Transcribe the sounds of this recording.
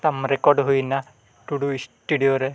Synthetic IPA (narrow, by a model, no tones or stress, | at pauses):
t̪amɾekɔɾɖɦujna | ʈuɽuisʈuɽijoɾe